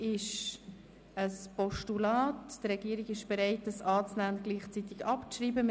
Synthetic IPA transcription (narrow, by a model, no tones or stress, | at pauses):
ɪʃ | əspɔʃtulɑːtd̥əɾɛɡ̥iːəɾiɡɪʃb̥eɾɛɪt̚dəsɑːt͡snæːʊnɡ̥liːχt͡sit̪ɪɡɑpt͡sriːbəm